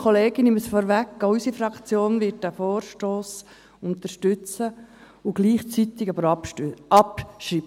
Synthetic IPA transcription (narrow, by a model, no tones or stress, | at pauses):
kʰoleːɡɪnɪməsfɔɾʋækːɔysifrɑkt͡sjoːnvɪt̚d̥æːfoːrʃtoːs | ʊnt̪əɾʃtʏt͡sə | ʊɡ̥liːχt͡sit̪ɪɡɑbəɾɑpʃɾi